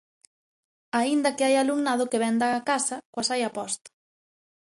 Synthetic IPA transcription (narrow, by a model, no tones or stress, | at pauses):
aind̪ɐkɪajaluŋnað̞ʊkeβɛnd̪aːkasɐkwasajapɔst̪o̥